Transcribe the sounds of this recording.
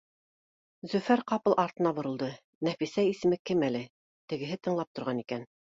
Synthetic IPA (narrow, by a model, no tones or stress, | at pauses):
zɵfæɾqɑpɤlˠʔɑɾt̪ɤ̆nɑbŏɾɤ̆lˠd̪ɤ | næfisæjisɘ̆mɘkɘmælɘ | t̪ɘ̆ɡɘ̆ɦɘt̪ɤ̆ɴlˠɑp̚t̪ŏɾʁɑnikæn